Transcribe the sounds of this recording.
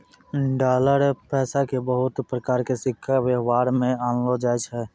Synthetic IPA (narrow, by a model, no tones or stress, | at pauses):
ɖaːləɾpɛːsakebəɦʊt̪pɾəkaːɾkesɪkʰːawjəɦwaːɾmẽaːnlod͡ʒajt͡ʃʰɦɛ